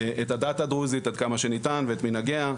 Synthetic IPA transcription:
ʔetad̪at̪ad̪ʁuzit̪ad̪̚kamaʃe̞nit̪anveːt̪minaɡea

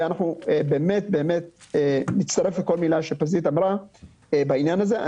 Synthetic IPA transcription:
anaχnuebe̞ːme̞t̪̚be̞ːme̞t̪̚enit͡st̪aɐʁe̞fleko̞lmilaʃepazit̪amɾa | ebainjanaze̞ʔa̰

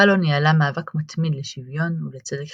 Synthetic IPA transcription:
alonjalamaːvakmat̪mid̪leʃivjo̞nulet͡sedek

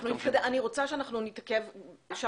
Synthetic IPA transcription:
χnunitkad̪eaniʁo̞t͡saʃeanaχnunit̪akevʃa

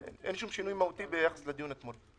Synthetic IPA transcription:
ʔḛnʔḛnʃumʃinuːjmahut̪ibejaxḁslad̪junat̪moɾ

